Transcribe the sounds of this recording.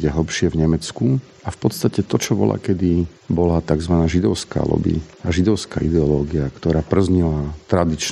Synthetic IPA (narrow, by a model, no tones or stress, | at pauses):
ɟɛɦl̩ˠpʃɪɛvɲɛmɛt͡sku | afpɔt̪st̪acɛt̪ɔt͡ʃɔbɔ̰la̰kɛd̪i | bɔlat̪aɡzʋanaːʒid̪ɔʊska̰ːlɔ̰bḭaʒid̪ɔʊskaːʔid̪ɛɔlɔːɡiakt̪ɔɾaːpr̩zɲilat̪ɾad̪it͡ʃ